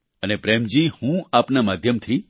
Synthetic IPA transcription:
ənepɾɛmd͡ʒihũapnamad̪ʱjəmt̪ʰi

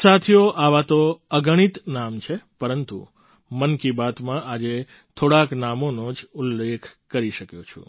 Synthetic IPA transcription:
sat̪ʰijoʔaʋat̪oəɡəɽ̃it̪namt͡ʃʰepəɾənt̪ṵ | mənkibat̪mãʔad͡ʒe | t̪ʰoɽaknamonod͡ʒulːekʰkəɾiʃəkjot͡ʃʰṵ̃

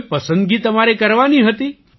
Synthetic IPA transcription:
pəsə̃nd̪ɡit̪əmaɾekəɾʋaniɦət̪i

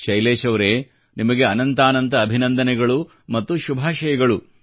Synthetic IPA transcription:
ʃɐjleːʃɐʋɐɾeː | nimɐɡeɐnɐnt̪aːnɐnt̪ɐːbʱinɐnd̪ɐnɛɡɐɭu | mɐt̪ːuʃubʱaːʃɐjɐɡɐɭu

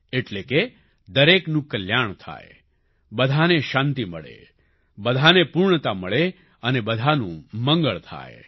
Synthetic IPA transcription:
eʈleke | d̪əɾeknũkəljaɳt̪ʰa̰e | bəd̪ʱaneʃant̪iməɭḛ | bəd̪ʱanepuɾɳət̪aməɭe | ənebəd̪ʱanṵ̃mə̃ŋɡəɭt̪ʰa̰e

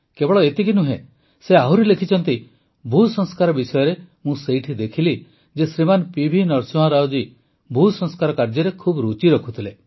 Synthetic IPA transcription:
kebɔɭɔet̪ikinuɦẽ | seaɦuɾilekʰit͡ʃʰɔnt̪i | bʱusɔŋskaɾɔbisɔjɔɾemũseiʈʰid̪ekʰili | d͡ʒesɾimanpibʱinɔɾsuɦãɾawd͡ʒi | bʱusɔ̃ŋskaɾɔkaɾd͡ʒɔɾekʰubɾut͡ʃiɾɔkʰut̪ʰile

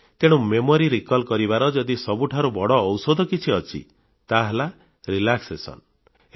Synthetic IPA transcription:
t̪eɽ̃umemoɾiɾikɔlkɔɾibaɾɔd͡ʒɔd̪isɔbuʈʰaɾubɔɽɔːwsod̪ʱɔkit͡ʃʰiɔt͡ʃʰḭ | t̪aɦela | ɾilaksesɔ̰n

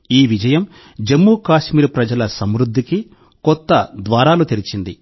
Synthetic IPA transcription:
iːʋid͡ʒɐjɐm | d͡ʒemːukaːʃmiːɾupɾɐd͡ʒɐlɐsɐmɾud̪ʱːiki | kɔt̪ːɐd̪ʋaːɾaːlut̪iɾit͡ʃind̪i

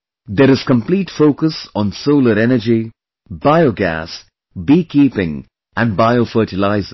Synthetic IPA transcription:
d̪əɾɪz̥kə̃mpliːʈfoːkəsɔ̃n̩soʊləɾɛnəd͡ʒi | baɪoɡæ̰s | biːkiːpɪ̃ŋ | ʔæ̃nbaɪofəːʈɪlaɪzə

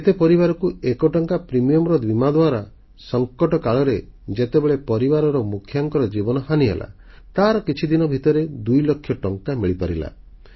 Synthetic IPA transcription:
et̪epɔɾibaɾɔkuekɔʈɔŋkapɾimijɔmɾɔd̪wimad̪waɾa | sɔŋkɔʈɔkaɭɔɾed͡ʒet̪ebeɭepɔɾibaɾɔɾɔmukʰːjaŋkɔɾɔd͡ʒibɔnɔɦaniɦḛlʔa̰ | t̪aɾɔkit͡ʃʰid̪inɔbʱit̪ɔɾed̪ujlɔkʰːjɔʈɔŋkamiɭipaɾila̰

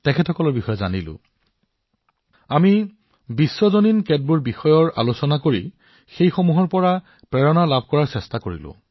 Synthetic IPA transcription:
tɛkʰɛtʰɔkɔlɔɹbixɔjɔza̰nilʊ̰̃ | ami | bisːɔzoninkɛd̚buɹbixɔjɔɹa̰losɔnakoɹi | xejxomuɦɔɹpɔɹa | pɹɛɹɔnalab̚ʱkɔɹaɹsɛstakoɹḭlʊ̰̃

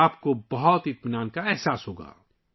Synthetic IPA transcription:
aːpkobɐɦɔt̪ɪt̪mɪnaːnkaɛɦsaːsɦoːɡa̰ː

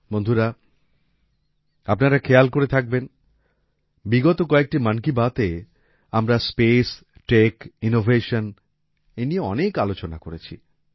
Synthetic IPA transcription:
mond̪ʱuɾa | apnaɾakʰealkoɾet̪ʰak̚ben | biɡɔt̪okɔek̚ʈimankibat̪e | amɾaspes | ʈekinovʱeʃon | enieɔ̰nekalot͡ɕonakoɾet͡ɕʰḭ

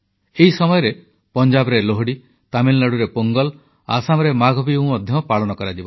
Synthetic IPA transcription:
eɦisɔmɔjɔɾe | pɔnd͡ʒabɔɾeloɦɽi | t̪amilːaɽuɾepoŋɡɔl | a̰samɔɾemaɡʱɔbiũmɔd̪ʱjɔpaɭɔnɔkɔɾad͡ʒibɔ

